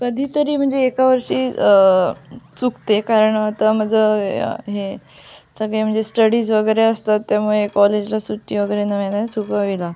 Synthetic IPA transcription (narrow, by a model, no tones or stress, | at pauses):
kəd̪ʱiːt̪əɾiːm̤əɳd͡zeːkaʋəɾʂiː | t͡sukt̪ekaɾəɳat̪əm̤əd͡zəɦe | səɡɭem̤əɳd͡zesʈəɽiːd͡zʋəɡəjɾeəst̪at̪ːjamuɭekɔled͡ʑlasuʈːiːʋəɡəjɾenəʋenat͡sukaʋila